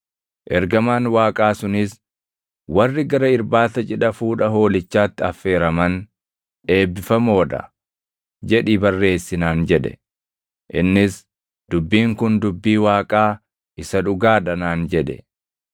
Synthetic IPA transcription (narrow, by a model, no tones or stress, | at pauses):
ʔɛɾɡɐmaːnwaːkʼaːsʊnɪs | wɐrːɪɡɐɾɐɪɾbaːt̪ɐt͡ʃʼɪᶑɐfuːᶑɐɦo̞ːlɪt͡ʃːaːt̪ːɪɐfːe̞ːɾɐmɐn | ᶑe̞ːbːɪfɐmo̞ːᶑɐ̰ | d͡ʒɛᶑiːbɐrːe̞ːsːɪnaːnd͡ʒɛᶑɛ̰ | ʔɪ̰nːɪs | d̪̥ʊbːiːŋkʊnd̪ʊbːiːwaːkʼaː | ʔɪsɐᶑʊɡaːᶑɐnaːnd͡ʒɛᶑɛ̰